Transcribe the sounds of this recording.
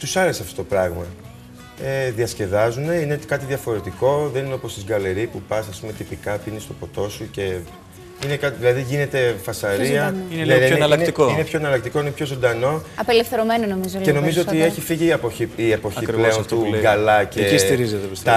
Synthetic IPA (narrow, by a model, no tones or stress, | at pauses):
t̪usɐlesɐft̪ot̪opɾɐɣmɐ | eðiɐsce̞ðɐzune̞ine̞kɐt̪iðiɐfo̞ɾet̪iko̞ðe̞nineopost̪izɡɐle̞ɾipupɐsɐspume̞t̪ipikɐpinist̪o̞po̞t̪o̞suce̞ | inekɐðilɐðiʝine̞t̪e̞fɐsɐɾiɐnɐnɐlɐkt̪ikoinepço̞enɐlɐk̚t̪iko̞inepço̞zo̞nd̪ɐno̞ɐpelefθeɾomenonomizoce̞no̞mizoot̪ieçifiʝiepoiiepo̞çipleont̪uɡɐlɐceist̪iɾizet̪t̪ɐ